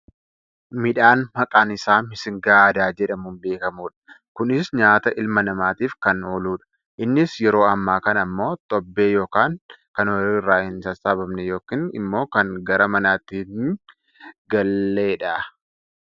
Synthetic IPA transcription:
mɪᶑaːnmɐkʼaːnɪsaːmɪsɪŋɡaːɐd̪aːd͡ʒɛᶑɐmunbe̞ːkɐmuːᶑɐ̥ | kʊnɪsɲaːt̪ɐʔɪlmɐnɐmaːt̪iːfkɐnoːluːᶑɐ̥ | ʔɪnːɪsjɛɾo̞ːɐmːaːkɐnɐmːo̞ːt̪ʼɔbːe̞ːjo̞ːkaːŋkɐnwɐɾiːrːaːhɪnsɐsaːbɐmnɛjo̞ːkiːnɪ̰mːo̞ːkɐŋɡɐɾɐmɐnaːt̪ːiŋ | ɡɐlːeːᶑɐ

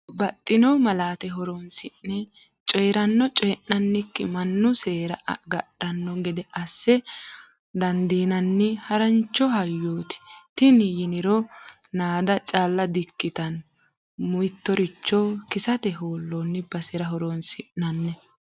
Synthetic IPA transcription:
bɐt̪ʼːɪnɔmɐlaːt̪ɛɦɔɾɔnsɪnːɛ | t͡ʃʼɔjɾɐnːɔt͡ʃʼɔjnːɐnːɪkːɪmɐnːʊseːɾɐʔɐ̰ɡɐɗɐnːɔɡɛd̪ɛʔɐsːɛ | d̪ɐnd̪iːnɐnːɪhɐɾɐnt͡ʃːɔhɐjːoːt̪ɪ̥t̪ɪnɪjɪnɪɾɔnaːd̪ɐt͡ʃʼaːlːɐd̪ɪkːɪt̪ɐn | mʊjt̪ːɔɾɪt͡ʃːɔkɪsɐt̪ɛɦoːlːonːɪbɐsɛɾɐɦɔɾonsɪʔnɐnːɛ

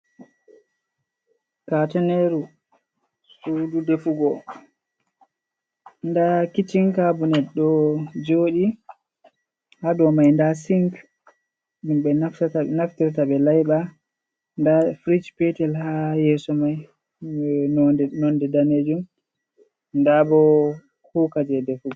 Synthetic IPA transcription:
katɛneɾu | sududefuɡɔ | ndakitiŋkabunɛɗːɔd͡ʒoːɗi | hadɔmajndasiŋk | ɗumɓɛnaftaanaftiɾtaɓɛlajɓa | ndafɾid͡ʒpɛtɛlhajɛːsɔmaj | ɛnɔdɛnɔndɛdaned͡ʒum | ndabɔ | kuːkad͡ʒɛdefuɡɔ

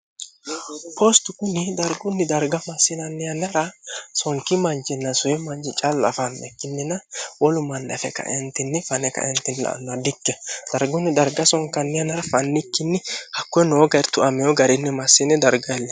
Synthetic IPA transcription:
pʰɔst̪ʊkʊnɪd̪ɐɾɡʊnːɪd̪ɐɾɡɐmɐsːɪnɐnːɪjɐnɐɾɐsɔŋkːɪmɐnd͡ʒɪnːɐsʊjɛmɐnd͡ʒɪt͡ʃʼalːʊɐ̰fɐnːɛkːɪnːɪnɐwɔlʊmɐnːɐfɛ̰kɐ̰ʔɛnt̪ːɪnːɪfɐnɛkɐ̰ʔɛnt̪ɪnːɪlɐ̰ʔɐ̰nːʊɐd̪ɪkːɛd̪̥ɐɾɡʊnːɪd̪ɐɾɡɐsɔŋkːɐnːɪjɐnɐɾɐfɐnːɪkːɪnːɪhɐkːʊɛnoːɡɐɾt̪ʊʔɐmɛjɔɡɐɾɪnːɪmɐsːɪnɪd̪ɐɾɡɐɛlːɛ

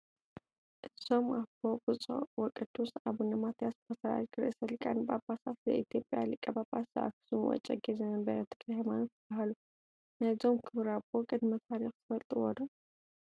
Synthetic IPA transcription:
ʔɨzo̞mabobɨt͡sʼo̰wɔkʼɨd̪usʔaβunɐmat̪jaspʰɐsaa̰jɡɨɾʔɨsɐlkʼanɨbabasat̪zɐ̰ʔit̪jo̞pʼja̰lɨkʼːɐbabaɐ̰ʔa̰kɨ̥sumwɔ̰t͡ʃʼɐɡezɐnɐnbɐɾɐt̪ʰɨkahemanot̪ʰːɨbːaɦalu | nazo̞mkʰɨβɾabokʼɨd̪mɐsaɾixt̪ʰɨfɐlt̪ʼɨwɔd̪o

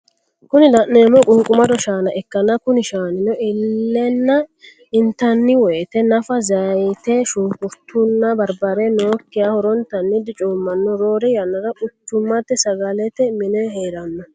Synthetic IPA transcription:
kʊnɪlɐʔneːmɔkʼuːkʼʊmɐd̪ɔʃaːnɐʔɛkːɐnɐkʊnɪʃaːnɪnɔɪlːɛnːɐ | ɪnt̪ːɐnːɪwɔːt̪ɛnɐfɐzɐjt̪ɛʃʊːkʊɾt̪ʰʊnːɐbɐɾbɐɾɛnoːkːɪjahɔɾɔnt̪ɐnːɪd̪ɪt͡ʃʼuːmːɐnːɔɾo̞ːɾɛjɐnːɐdɐʔʊt͡ʃːʊmːɐt̪ːɛsɐɡɐlɛt̪ɛmɪnɛɦeːɾɐnːɔ

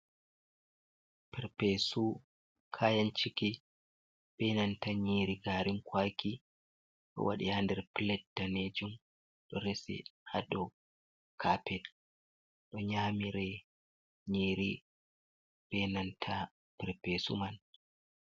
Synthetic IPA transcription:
pɛɾpesu | kʰaːjant͡ʃiki | b̥ɛnantaɲiːɾiɡaːɾiŋkʰwaːki | ɗɔ̰wa̰ɗḭhandɛɾpilɛt̚d̥aned͡ʒum | ɗɔɾɛsɛ̰ha̰dɔ | kʰapɛt | ɗɔɲaːmiɾɛ | ɲiːɾi | b̥ɛnantʰa | pɛɾpesṵman

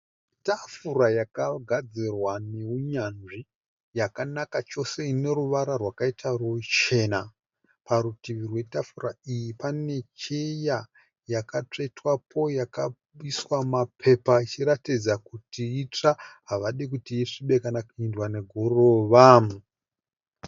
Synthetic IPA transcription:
tafuɾajakaɡʱad͡zirwane̞uɲanʐi | jakanakat͡ʃo̞se̞ine̞ruʋaɾarwakaitʰarut͡ʃe̞na | paɾutiʋirwe̞tafuraijipane̞t͡ʃeja | jakat͡ʂeitwapʰo̞jaka | ɓiswamapʰe̞pait͡ʃiratid͡zakutiːt͡ʂaɦaʋaɗikutiiʂiɓe̞kanakuindwane̞ɡʱoroʋamu

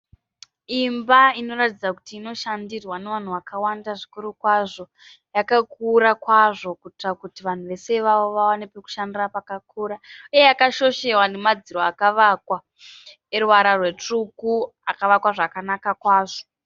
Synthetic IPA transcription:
imbaino̞ɾatid͡zaku̥tiːno̞ʃandirwaneʋan̤uwakawandaʐikuɾukwaʐo̞ | jakakuɾakwaʐo̞kutrakutiʋan̤uʋe̞se̞ʋaʋo̞ʋawanepeku̥ʃandirapakakuːɾaijejakaʃo̞ʃe̞wane̞mad͡ziɾo̞akaʋakwa | eruwaɾarwe̞t͡ʂuku | akaʋakwaʐakanakakwaːʐo̞

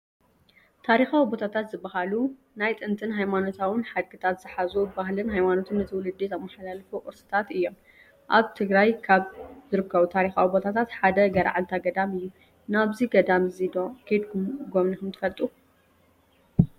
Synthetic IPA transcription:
t̪ʰaɾixawibo̞t̪ʰat̪ʰat̪zɨbːaɦalu | najt̪ʼɨnt̪ʰʼɨnɦajmano̞t̪ʰawɨnħad̪̚ɡɨt̪ʰat̪z̥ɨħazuɨbahlɨnɦajmanot̪ʰɨnːɐt̪ʰiwʊlɨd̪ːit̪ɐmːaħalalfuʔʼɨɾsɨ̥t̪ʰat̪ɨjːo̞m | ʔaβt̪ʰɨɡɾajkʰaβzɨɾɨkʰːɐβut̪ʰaɾixawibo̞t̪ʰat̪ʰat̪ħad̪ɐɡɐɾ̰ʕalt̪ʰaɡɐd̪amɨjːu | naβziɡɐd̪amzid̪okʰɐd̪ɡɡomnikʰɐmt̪ʰɨ̥fɐlt̪ʼu

